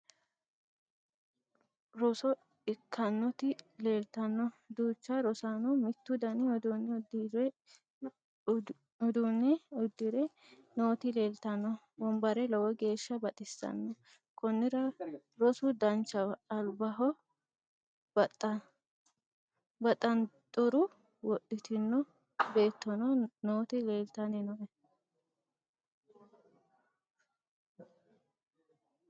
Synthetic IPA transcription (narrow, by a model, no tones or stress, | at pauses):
ɾɔsɔ | ɪkʰːɐnːɔt̪ɪle̞ːlt̪ɐnːɔd̪uːt͡ʃːɐɾɔsaːnumɪt̪ːʊd̪ɐnɪɔd̪unːɛd̪iɾɛ | ɔd̪uːnːɛʊd̪ːɪɾɛ | noːt̪ɪle̞ːlt̪ɐnːɔ | bɔmbɐɾɛlɐwɔɡe̞ːʃːɐbɐt̪ʼɪsːɐ̰nːɔ | kʼɔnːɪɾɐ | ɾɔsʊd̪ɐnt͡ʃːɐːlbɐɦɔ | bɐt̪ʼɐnt̪ʼʊɾʊ | wɔɗːɪt̪ɪnːɔ | be̞ːt̪ːɔnɔnoːt̪ɪle̞ːlt̪ɐnɛnɔʔɛ